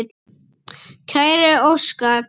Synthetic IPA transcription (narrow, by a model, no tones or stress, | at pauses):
t̪ | cʰœjɾɪowskaɾ